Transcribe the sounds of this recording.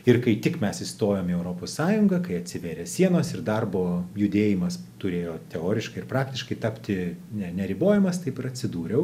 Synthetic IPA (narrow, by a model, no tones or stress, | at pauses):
ɪrkɐɪt̪ʲɪkmʲɛsɪst̪oːjoːmiɛʊɾoːpossɑːjʊŋɡɐkɐɪɐt̪ʲsʲɪʋʲeːɾʲeːsʲiɛnoːsɪrd̪ɐrboːjʊd̪ʲeːjɪmɐst̪ʊɾʲeːjoːt̪ʲɛoːɾʲɪʃkɐɪɪrpɾɑːkt̪ʲɪʃkɐɪt̪ɑːpʲt̪ʲɪnʲɛnʲɛɾʲɪboːjɛmɐst̪ɐɪpɪɾɐtʲsʲɪd̪uːɾʲɛʊ